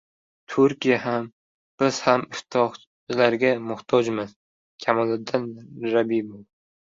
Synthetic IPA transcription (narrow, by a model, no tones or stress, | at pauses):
t̪ʰʊɾkʲijaɦam | b̥ɪz̥hamɪft̪ʰɒχ | laɾɡʲamʊht̪ʰɒd͡ʒmɪz̥ | kʲʰamɒlɪd̪anɾabibolˠ